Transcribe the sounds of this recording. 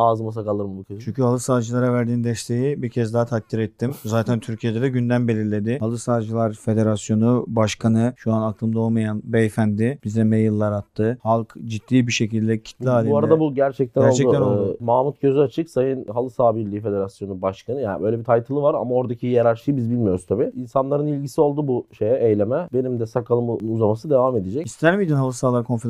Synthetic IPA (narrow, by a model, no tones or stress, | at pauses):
aːzɯmas̬akalˠɯɾmɯbukʰat͡ʃʰyɲcʰyhalˠɯsaːd͡ʒɯlˠaɾavæɾd̪iːnd̪ɛʃt̪ʰe̞jibiɾcʰɛzd̪aɦat̪ʰak̚t̪ʰːiɾɛt̪ʰːimzaːt̪ʰænt̪ʰyɾcʰije̞d̪ed̪ɛɟynd̪ænbe̞lʲiɾlʲe̞d̪ɪhalˠɯsaːd͡ʒɯlˠaɾfe̞d̪e̞ɾasjo̞nubaʃkʰanɯʃuanakʰlˠɯmd̪ao̞lˠmajanbɛfænd̪ɪb̥izd̪ɛmejɯlˠːaɾat̪ʰːɯhalˠkd͡ʒit̪ʰːiːbiʃe̞cilʲd̪ɛcʰi̥t̪blʲiaːlʲuaɾad̪abuɟæɾt͡ʃʰɛc̚t̪ʰɛnæɾolˠt͡ʃɛd̪uænolˠmaːmut̪̚ɟ̥øzyat͡ʃʰɯksajɯnɦalˠɯsaːbiɾlʲiife̞d̪e̞ɾasjo̞nubaʃkʰanɯjaːnbø̞jlʲebit̪ʰajt̪ʰɯlˠɯvaɾa̰mao̞ɾd̪acʰijaɾaɾt͡ʃɯjbizbilʲmijo̞ɾust̪ʰabiinsanlˠaɾɯnilʲɟisio̞lˠd̪ubuʃejɛʔejlʲe̞mɛbe̞nimd̪ɛsakʰalˠɯmuzamasɯd̪e̞vame̞d̪id͡ʒɛcist̪ʰæɾmid̪inhalˠɯsaːlˠaɾkʰo̞nfe